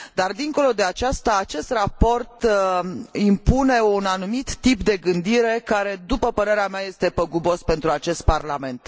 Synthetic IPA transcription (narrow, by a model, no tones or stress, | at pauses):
d̪ard̪iŋko̞lo̞d̪e̞at͡ʃast̪aːt͡ʃe̞st̪rapo̞rt̪ | impune̞unanumit̪ːipd̪e̞ɡɨnd̪iɾe̞kaɾe̞d̪upəpəɾe̞ɾeameaje̞st̪e̞pəɡubo̞spe̞nt̪ɾuat͡ʃe̞st̪̚parlame̞nt̪